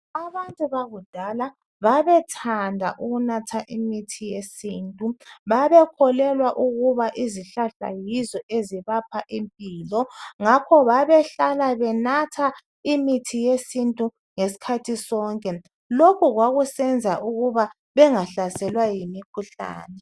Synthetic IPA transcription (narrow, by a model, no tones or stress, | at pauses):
aβantʼuβaɣud̥ʱala | βaβɛtʰandʱa̰ʔuɣunatʰaʔimitʰijesiːntʼuβaβɛkʰɔlɛlwaʔuɣuβaʔiziɬaɬa̰jizɔʔeziβapʰaʔimpʼiːlɔŋakʰɔβaβɛɬalaβɛnatʰa | imitʰijesintʼu | ŋesi̥kʰatʰisɔːŋkʼɛ | lokʰuɣwaɣusɛnd͡zʱaʔuɣuβa | βɛŋaɬasɛlwajimikʰuɬa̰ːnɛ